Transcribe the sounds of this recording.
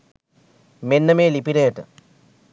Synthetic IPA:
menːəmeːlipiɾejəʈə̰

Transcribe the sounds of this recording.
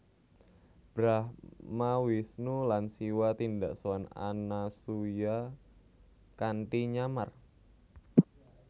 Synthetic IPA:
b̥ɾahmawisnulansiwat̪indaʔsoana̰nasuja | kanʈiɲamar

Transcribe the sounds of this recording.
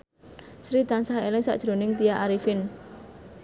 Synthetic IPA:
sɾit̪ansaɦelɪŋsa̰ʔd̥ʒ̥ɾo̤nɪŋt̪ijaʔaɾifɪn

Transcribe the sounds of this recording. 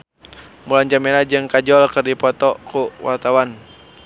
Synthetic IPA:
mulaɲd͡ʒamɛnad͡ʒɨŋkad͡ʒɔlkɨrdipɔt̪ɔkuwa̰rt̪awan

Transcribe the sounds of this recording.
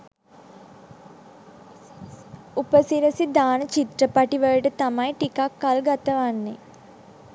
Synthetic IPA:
upəsiɾəsid̪aːnət͡ʃit̪ɾəpaʈiʋəɭəʈət̪amajʈikakːalɡat̪əʋanːe

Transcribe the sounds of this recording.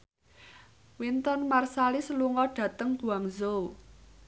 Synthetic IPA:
wint̪ɔnmarsalɪsluŋɔɖ̥ä̤t̪əŋb̥ṳaŋzow

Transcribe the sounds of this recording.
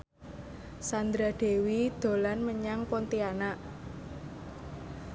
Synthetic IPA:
sand̪ɾad̪̥e̤wid̪̥o̤lanməɲaŋpɔnt̪ianaʔ

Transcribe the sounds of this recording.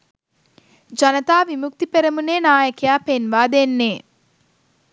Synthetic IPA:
d͡ʒɐnɐt̪aːʋimuk̚t̪ipeɾɐmuneːnaːjɐkɐjaːpenʋaːd̪enːeː

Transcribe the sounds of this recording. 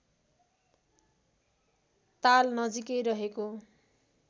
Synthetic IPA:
t̪alnʌd͡zikʌjɾʌɦeko

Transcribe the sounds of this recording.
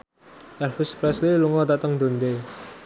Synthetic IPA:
ʔɛlfuspɾɛsliluŋɔt̪at̪əŋd̪o̤nd̪e

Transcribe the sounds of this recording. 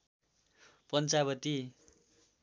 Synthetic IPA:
pʌnt͡sabʌt̪i

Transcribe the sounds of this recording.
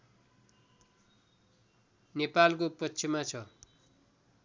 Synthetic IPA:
nepalkopʌsʰimːat͡sʰʌ

